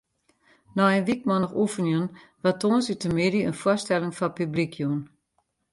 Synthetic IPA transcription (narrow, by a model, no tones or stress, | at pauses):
nɔənʋik̚mɔnəχufənjun | ʋatoːnsytəmɪdiənfwʊstɛlɪŋfɔpyblikʰjun